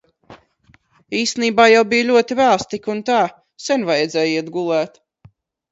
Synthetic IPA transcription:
iːst̪eniːbaːjawbijlʲuɔt̪ivæːst̪ikunt̪aː | sɛnvajɛd̪zɛːjiɛt̪ɡulˠæːt̪

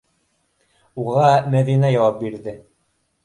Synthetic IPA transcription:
uʁɑmæðinæjɑwɑp̚biɾðɘ

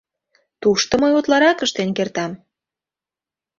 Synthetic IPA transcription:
t̪uʃt̪ŏməjot̪lɑɾɑkəʃt̪enkert̪ɑm

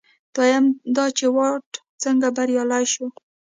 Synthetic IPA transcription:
t̪ɑjamd̪ɑt͡ʃewɑʈ | t͡səŋɡabaɾjɑlajʃo

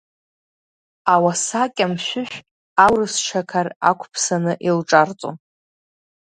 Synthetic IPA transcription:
awasakʲʼamʃʷᶣʊʃᶣ | awrɨst͡ʃʰakʰara̰kʷʰpʰsanɨʔilʈ͡ʂʼart͡sʼo̰n

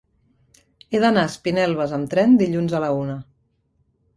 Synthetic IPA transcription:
eðənaəspinɛlˠβəzəmt̪ɾɛnd̪iʎunzələunə

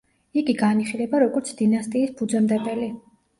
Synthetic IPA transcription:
iɡiɡaniχilɛbaɾɔɡɔɾt̪sʰd̪inast̪ʼiːsbʰud̪zɛmd̪ɛbɛli

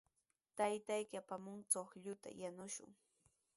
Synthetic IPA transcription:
t̪ajt̪ajkɪapamʊŋt͡soχʎʊt̪a̰janʊʃʊ̰ŋ

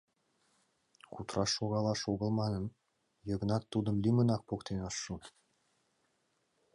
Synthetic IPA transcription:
qut̪ɾɑʃoɣɑlˠɑʃoɣɤ̆lˠmɑnɤn | jɤ̆ɡə̆nɑt̪ːud̪ɤ̆mlʲimə̆nɑk̚pokt̪enɑʃːu

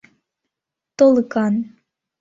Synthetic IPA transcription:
t̪olˠɨkɑn

